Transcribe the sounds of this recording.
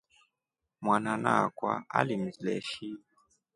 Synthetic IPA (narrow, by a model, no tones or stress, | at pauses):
mwananakwa̰a̰lim̩zilɛ̰ʃi